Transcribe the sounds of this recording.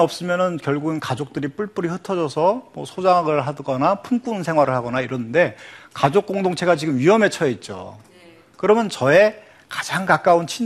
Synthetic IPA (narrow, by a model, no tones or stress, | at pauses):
ʌp̚s͈ɯmjʌnɯnkjʌɭɡuɡɯnkad͡ʑok̚t͈ɯɾip͈uɭp͈uɾihɯtʰʌd͡ʑʌsʰʌmwʌsʰod͡ʑaŋɦaɡɯɭɦadɡʌnapʰunk͈uɯnsʰe̞ŋɦwaɾɯɭhaɡʌnaiɾʌnɯnde̞kad͡ʑok͈̚oŋdoŋt͡ɕʰe̞ɡat͡ɕiɡɯmɥiɦʌme̞t͡ɕʰʌjʌit̚t͡ɕ͈o̰ | kɯɾʌmjʌnt͡ɕʌe̞ | kḁd͡ʑaŋkak͈aunt͡ɕʰi